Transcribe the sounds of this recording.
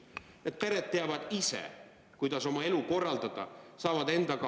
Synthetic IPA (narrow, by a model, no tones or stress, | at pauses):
e̞t̪̚pe̞ɾe̞t̪̚ːe̞ɑvɑd̪̥isḛ | kujd̪̥ɑso̞mɑe̞luko̞rːɑld̪̥ɑd̪̥ɑ̰sɑːvɑd̪e̞nd̪ɑkɑ